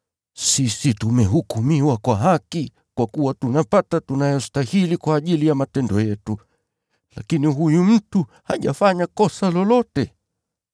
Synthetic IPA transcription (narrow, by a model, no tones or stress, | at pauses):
sisitumɛɦukumiwakwaɦaki | kwakuwatunapatatunajɔstahilikwaːʄilijamatɛndɔjɛtu | la̰kiniɦujum̩tu | haʄafaɲakɔsalɔlɔtɛ